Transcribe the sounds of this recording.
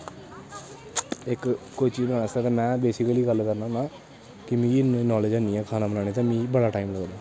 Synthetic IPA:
ɪkkːʊt͡ʃiːd̪ənast̪aːt̪emɛ̃ːbeːsɪkəliːɡəlkəɾnaːnaː | kɪmĩːnɔːleːd͡ʒanĩːɛ̃ːkʰaːnaːbənaːɽ̃et̪ãːmĩːbəɽaːʈaːimləɡəd̪aː

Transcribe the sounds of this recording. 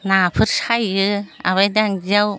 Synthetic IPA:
napʰɯɾsajɯa̰βajdaŋd͡ʒaw

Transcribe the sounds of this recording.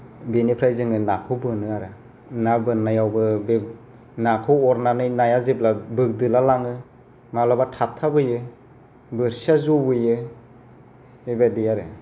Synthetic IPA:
benipʰɾajzɯŋɯnakʰɯbɯnɯaɾɯ | nabɯnːajawbɯbe | nakʰɔwɔɾnanɯjnajazip̬̚labɯk̚dɯlalaŋɯ | malabatʰap̚tʰabɯjɯ | bɯɾsazɔbɯjɯ | ebadijaɾɯ

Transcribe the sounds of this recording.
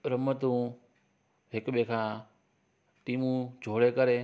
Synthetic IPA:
ɾəmət̪ũ | ɦɪkɓẽkʰãː | ʈiːmũd͡ʑʱoːɽekəɾe

